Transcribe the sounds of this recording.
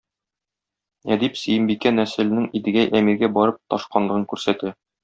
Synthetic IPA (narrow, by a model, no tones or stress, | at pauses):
æd̪ipsɘ̆jɘ̆mbikːænæsɘ̆lɘ̆nɘŋid̪ɘ̆ɡæʔæmiɾɡæbɒɾɤp̚t̪ɒʃqɑnlˠɤ̆ʁɤŋkʉɾsæt̪ɘ